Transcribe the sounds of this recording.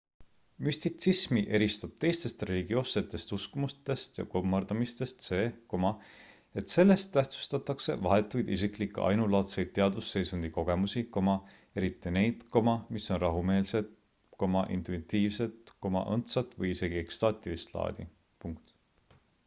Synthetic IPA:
myst̪it̪sismiʔe̞ɾist̪ɑb̥̚t̪e̞jst̪e̞st̪re̞liɡ̥io̞ːsːe̞t̪ːˑe̞st̪uskumust̪e̞st̪jɑ̰komːɑrd̪̥ɑmist̪e̞st̪se̞ːko̞mɑ | e̞t̪se̞lːe̞st̪ːæht̪su̥st̪ɑt̪ːˑɑkse̞̰vɑ̰ɦe̞t̪ːˑujd̪̥isiklikːˑeʔɑ̰jnulɑːt̪se̞jd̪̥̚t̪ːe̞ɑd̪usːe̞jsund̪̥iko̞ɡ̥e̞musiko̞mɑ | e̞ɾit̪ːˑine̞jd̪̥ko̞mɑmisːo̞nrɑɦume̞ːlse̞t̪̚ | ko̞mɑʔḭnt̪uit̪ːiːvse̞t̪ko̞mɑ̰ʔɤ̰nt̪sɑt̪ːˑvɤjise̞ɡ̥ie̞kst̪ɑːt̪ˑilist̪lɑ̰ːd̪ḭ | puŋkt̪

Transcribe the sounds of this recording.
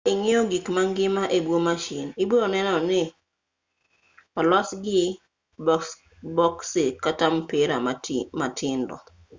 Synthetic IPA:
ɪŋɪɔɡikmaŋɡɪmaʔebwomaʃiniboɾonɛnɔnɪ | pɔlasɡɪ | bɔksɪkatampɪɾamatʰɪndɔ̰

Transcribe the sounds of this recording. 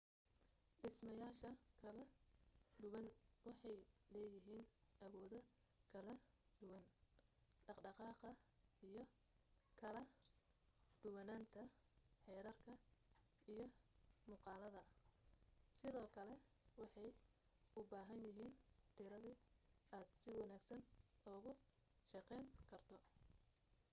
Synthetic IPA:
ɖɪsmɐjaːʃɐkʰɐlɐ | ɖʊwɐnwɑħɑjlɛːjɪɦiːnʔɐwɔːðɐ | kʰɐlɐ | ɖʊwɐn | ɖ̥ɑqɖɑqɑːqɐ | ijɞ | kʰɐlɐ | ɖ̥ʊwɐnaːnt̪ʰɐ | ħɛːɾɐrkʰɐ | ʔijɞmʊːqɑːlɐðɐ | sɪðɔːkʰɐlɛ | wɑħɑj | ʊbaːɦɐnjɪɦiːnt̪ʰɪɾɐðɪaːd̪̥sɪwɑnaːɡsɐnɔːɣʊ | ʃɑqɛjŋkʰɐrt̪ʰɔ

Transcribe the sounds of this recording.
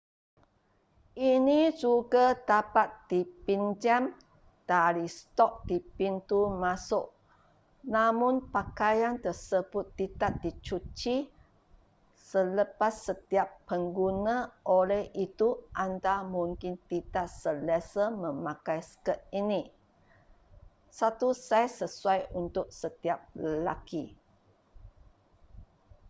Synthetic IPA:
ʔinid͡ʒuɡat̪apat̪̚d̥ipind͡ʒam | d̥aɾist̪ɔk̚d̥ipint̪umasʊʔ̚ | namʊ̃npakajant̪əsəbʊt̪̚ːit̪at̪̚dit͡ʃut͡ʃi | sələpasːət̪iapːəŋɡunãʔolɛhit̪uʔant̪amũŋkɪnt̪it̪at̪sələsəmə̃makajsə̥kət̪̚ini | sat̪usajsəsuajunt̪ʊk̚sət̪iap̚ləla̰ki

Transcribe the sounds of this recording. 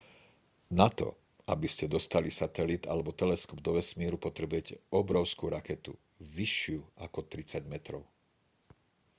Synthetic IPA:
nat̪ɔ̰ | a̰biscɛd̪ɔst̪alisat̪ɛlit̪a̰lɛbɔt̪ɛlɛskɔb̚d̪ɔʋɛsmiːɾupɔt̪ɾɛbʊɛcɛʔɔbɾɔʊskuːɾakɛt̪ṵ | ʋiʃɪuʔakɔt̪ɾit͡saɟmɛt̪ɾɔʊ

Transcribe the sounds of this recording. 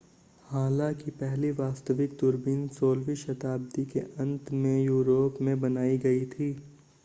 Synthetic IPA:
haːlakipɛɦliʋaːst̪əʋɪk̚d̪ʊɾbɪnsoːlʋiʃɐt̪aːb̚d̪ikḛʔɐ̃nt̪mẽjuːɾoːpmẽbɐnaːiɡɐit̪ʰiː

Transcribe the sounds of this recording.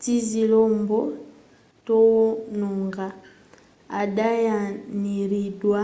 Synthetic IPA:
t͡ʃizilɔmbɔ | tɔwɔnɔŋɡa | adajaniɾidwa

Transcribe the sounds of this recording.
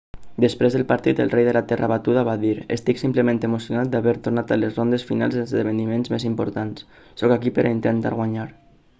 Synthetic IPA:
d̪əspɾezðəlpaɾt̪it̪ə̰lˠrejðəlat̪ɛrʔaβat̪uðaβaðiɾə̰st̪iksimpləmẽnt̪əmusjunat̪̚d̪aβɛɾt̪uɾnat̪alezrond̪esfina̰lˠzəlzðəβənimenzmezimpoɾt̪ans | sɔkakipəɾʔaint̪ənt̪a̰ɾɣwaɲaɾ

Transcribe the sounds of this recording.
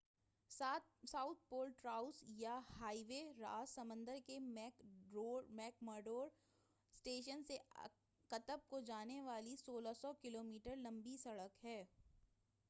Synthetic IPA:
ssaːʊt̪̚ʰpoːlʈɾaːʊsjahaːiʋeɾa̰ːzsɐmə̃nd̪əɾkemː | mɛːkməːɾɖoːɾ | sʈeːʃ̬ənse | kɐt̪əb̚kod͡ʒaːneʋaːlisoːlasɔkɪloːmiːʈəɾlɐ̃mbisɐɽəkɦɛː

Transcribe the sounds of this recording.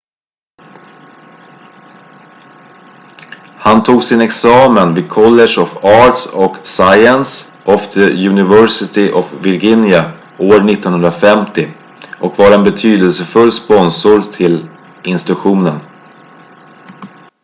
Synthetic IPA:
hant̪ʰuːɡsɪnɛksɑːmənviːd̪̚kʰɔlːɛʂɔfɑːʈsɔksajəns | ʔɔfd̪ʰəjʉnɪvœsɪt̪ɪʔɔvvɪɾɡɪnja | oːɾɳɪt̪ːɔnhɵnɾafɛmt̪ɪ | ʔɔkvaɾɛnbɛt̪ʰyːd̪əlsəfɵlːspɔnsʊɾt̪ʰɪl | ɪnst̪ɪt̪ɵɧuːnən

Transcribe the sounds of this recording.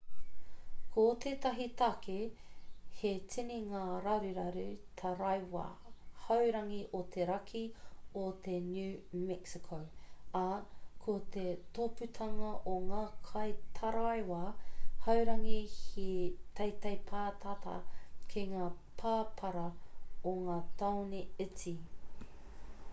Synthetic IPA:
kʰot̪ʰet̪ɐɦit̪ɐkʰe | hetʰiniŋaːɾɐɾiɾɐɾʉt̪ʰɐɾɐjwa̰hɐwɾɐŋiʔot̪ʰeɾɐkʰiot̪enjʉːmɛksikʰowɐkʰot̪et̪opʉt̪ʰɐŋɐʔoŋaːkʰɐjt̪ʰɐɾajwahɐwɾɐŋihit̪ʰɐjt̪ɐjpʰaːt̪ʰat̪ɐ̰kʰiŋaː | pʰaːpʰɐɾɐoŋaːt̪ʰawneɪt͡si

